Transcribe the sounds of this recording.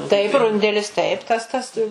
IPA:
tɐɪp ˈrʊnʲdʲɛlʲɪs ˈtɐɪp ˈtɐs ˈtɐs

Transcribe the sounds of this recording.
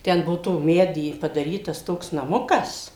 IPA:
ˈtʲɛn ˈbuɔ toː ˈmʲæːdʲiː pɐdɐˈrʲiːtɐs ˈtoːks nɐˈmʊkɐs

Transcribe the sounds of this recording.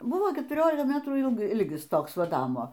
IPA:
ˈbʊʋoː kʲɛtʊˈrʲoːlʲɪkɐ ˈmʲæːtruː ˈɪlˠk ˈɪlʲɡʲɪs ˈtoːks ˈʋɐ ˈnɑːmoː

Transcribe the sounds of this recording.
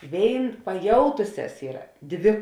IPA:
ˈʋʲeːɪn pɐˈjɛʊtʊsʲɛs ˈiːrɐ ˈdʲʋʲɪ

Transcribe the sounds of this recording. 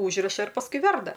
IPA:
ˈuːʒʲrʲɪʃɐ ɪr pɐsˈkʊɪ ˈʋʲɛrdɐ

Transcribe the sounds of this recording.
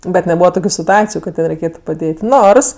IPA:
ˈbʲɛt nʲɛˈbuːʋɐ ˈtoːkʲʊ sʲɪtʊˈɑːt͡sʲɪjʊ kɐt tɐɪ rʲɛɪˈkʲeːtʊ pɐˈdʲeːtʲ ˈnoːrs

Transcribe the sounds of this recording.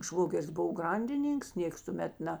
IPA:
ˈʃʋoːɡʲɛrʲɪs ˈbʊʋoː ˈɡrɐnʲdʲɪˌnʲiːŋks ˈnʲeːks tʊˈmʲɛt ˈnʲɛ

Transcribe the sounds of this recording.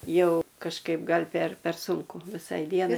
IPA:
ˈjɛʊ kɐʃˈkɐɪp ˈɡɐlʲ pʲɛr pʲɛr ˈsʊŋkʊ ʋʲɪˈsɐɪ ˈdʲiɛnɐɪ

